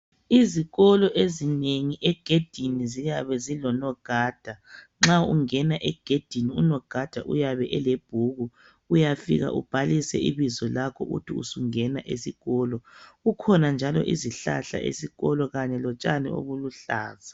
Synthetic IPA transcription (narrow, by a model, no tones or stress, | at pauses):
iziɣɔlɔʔezineŋiʔɛɡ̥ʱed̥ʱinizijaβɛzilɔnɔɡ̥ʱaːd̥ʱa | ŋ͡ǁaṵŋɛnaʔɛɡ̥ʱed̥ʱiniunɔɡ̥ʱad̥ʱaʔṵjaβɛʔɛleb̥ʱuɣu | ujafḭɣa̰ʔṵb̥ʱalisɛ̰ʔiβizɔlakʰɔ̰ʔutʰiṵsuŋɛnaʔesiɣɔːlɔukʰɔnand͡ʒʱalɔ̰ʔiziɬa̰ɬa̰ʔḛsiɣɔlɔɣaɲɛlɔt͡ʃʼanḭo̰βuluɬa̰ːza